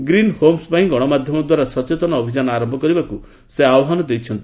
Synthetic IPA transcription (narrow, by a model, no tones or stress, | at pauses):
ɡɾinhomspaĩɡɔɽ̃ɔmad̪ʱjɔmɔd̪waɾasɔt͡ʃet̪ɔnɔːbʱid͡ʒanɔaɾɔmbʱɔkɔɾibaku | seawɔɦɔnɔd̪ejt͡ʃʰɔnt̪i